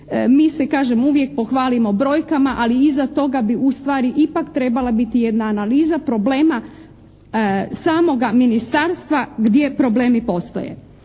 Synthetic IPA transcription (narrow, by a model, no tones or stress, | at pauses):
miːsekaːʒemuʋje̞k̚po̞xʋaːlimo̞bɾo̞jkamaʔaliizat̪o̞ɡabiust̪ʋaːɾiʔipakt̪ɾe̞balˠabit̪ije̞d̪naːnaliːzapɾo̞bleːma | saːmo̞ɡaminist̪aːɾst̪ʋaɡd̪je̞pɾo̞ble̞ːmipo̞st̪o̰jḛ